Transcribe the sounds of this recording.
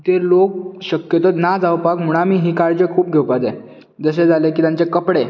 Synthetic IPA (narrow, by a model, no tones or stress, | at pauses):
t̪elok̚ɕəkjət̪ənad͡zawpakm̤uɽ̃amiːɦiːkaɾd͡zəkʰuːp̚ɡʱewpad͡ze | d͡zəs̬ed͡zʱalek̬iːt̪jãnt͡sekəpɽe